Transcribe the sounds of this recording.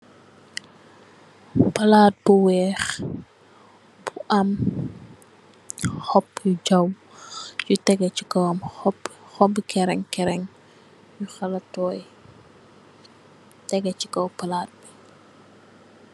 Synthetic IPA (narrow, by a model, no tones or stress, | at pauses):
pɐlaːt̚buwɛːx | b̥uʔɐm | xɔpːjud͡ʒɐw | jutɛɡɛcikɔwɐmpxɔbikɛɾɛŋkɛɾɛŋ | juxɐlɐtːɔːj | tɛɡɛt͡ʃi̥kɔwpɐlaːt̚bi